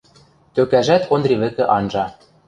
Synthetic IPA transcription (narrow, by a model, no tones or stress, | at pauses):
t̪økæʒæt̪ʰond̪rʲiβɘ̆kɘ̆ʔɑnʒɑ